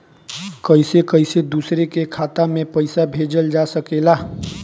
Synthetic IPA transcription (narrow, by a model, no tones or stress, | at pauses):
kəɪsekəɪsed̪uːsɾekekʰaːt̪amẽpəɪsabʱeːd͡ʒəld͡ʒasəkeːlaː